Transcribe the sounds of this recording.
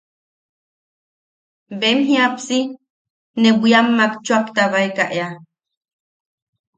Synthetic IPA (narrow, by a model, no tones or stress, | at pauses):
bemɦiapsi | nebʷiamːakt͡ʃuakt̪aβajkaʔea